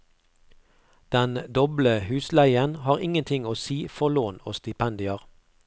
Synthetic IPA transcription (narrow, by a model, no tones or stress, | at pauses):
d̪̥ɛnd̪ɔbləhʉːslæɪənhɑːʁɪŋənt̪ʰɪŋoːsiːfɔloːno̰ːst̪ɪpʰɛnd̪ɪəʁ